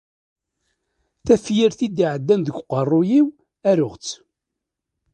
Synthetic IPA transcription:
θæfjiɾθid̪iʕəd̪ːænd̪əɡqːərˤːʊjiw | æɾʊʁt͡sː

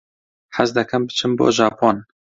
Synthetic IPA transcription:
ħæzd̪ɛkʰæmbɨ̥t͡ʃʰɨmbo̰ːʒɑːpʰon

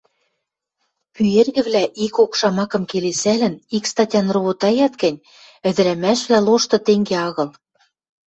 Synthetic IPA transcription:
pyerɣɘ̆βlæʔikokʃɑmɑkɤ̆mkelesælɘ̆nikst̪ɑtʲɑnroβot̪ɑjɑt̪kɘ̆nʲ | ɘ̆d̪ɘ̆ɾæmæʃβlæloʃt̪ɤ̆t̪eŋɡeɑɣɤ̆l

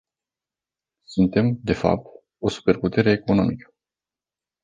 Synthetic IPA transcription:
sunt̪e̞md̪e̞fa̰p̚t̪ | o̞su̥pe̞rput̪e̞ɾe̞ːko̞no̞̰mikə̥

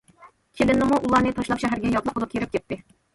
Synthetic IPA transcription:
kʲʰelɪnːɪmuʔulˠɑnɨt̪ʰɑʃlˠɑpʃɛɦæɾɡʲɛjɑt̪lˠəqolˠɨp̚kʰʲeɾɪp̚kʲɛt̪ːɪ

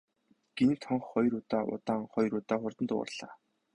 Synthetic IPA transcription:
ɡ̥enːt̪ʰɔɴχːɔjɾuːt̪aːʔʊ̰t̪aːŋχɔjɾuːt̪aːχʊrt̪ə̆nt̪ʊ̰̆ːrɮ̥a̰ː

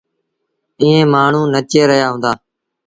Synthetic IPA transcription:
ĩːẽːmaːɳ̤ũːnət͡ʃeːɾəɦjaːɦũːnd̪aː

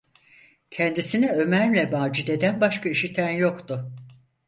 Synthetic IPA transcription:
cʰɛnd̪isinɛø̞mæɾlʲɛbaːd͡ʒid̪ed̪ænbaʃkʰaiʃit̪ʰænjo̞kt̪ʊ

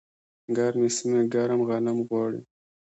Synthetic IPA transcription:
ɡɑːɾmesimeɡɑɾamɣɑnamɣwɑːɽḭ

